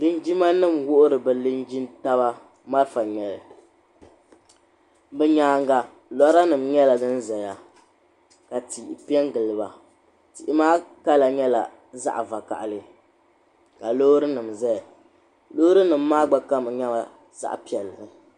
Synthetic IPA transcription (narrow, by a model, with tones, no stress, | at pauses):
lɨ˦nd͡ʒi˦ma˦nɨ˦˨mwʊ˦ʔʊ˦ɾɨ˨bɨ˨lɨ˦nd͡ʒi˦nta˦βa˦ | ma˦ɾfa˨ɲɛ˨lɨ˨ | bɛ˨ɲaː˨ŋɡa˨ | lɔ˦ɾa˦nɨ˨mɲɛ˦la˨dɨ˦n̩˦zɛ˨ja˨ | ka˨ti˨ʔpi˦ɛ˦ŋ˦ɡɨ˨lɨ˨ba˨ | ti˨ʔɪ˨maː˦ka˦la˨ɲɛ˦la̰˨ | za̰˦ʔva˨ka̰˨ʔlɨ˦ | ka˨loː˦ɾɨ˦nɨ˨mzɛ˦˨ | lo˦ɾɨ˦nɨ˨m̩ː˦aː˦ɡ͡ba˨ka˦m˨ɲa˦ba˨ | za̰˦ʔpi˨ɛ˨lɨ˨ɾɨ˨